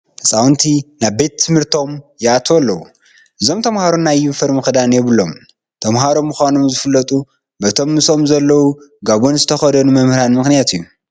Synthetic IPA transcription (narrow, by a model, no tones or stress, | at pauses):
ɨsʼawnt̪ʰinaβbe̞t̪ʰːɨmhɨɾt̪ʰo̞mjɛat̪ʰwlːɐwu | ʔɨzo̞mt̪ʰɐmhaɾonːajːufɐɾmɨxɨd̪anjɛβɨlːo̞m | t̪ʰɐmɦaɾo̞mːɨxʷano̞mzɨfɨlːɐt̪ʼu | bɐt̪ʰo̞mːɨsʼo̞mzɐlːɐwuɡaβonzɨt̪ʰɐxɐd̪ɐnumɐmhɨɾanmɨxnijat̪ʰɨjːu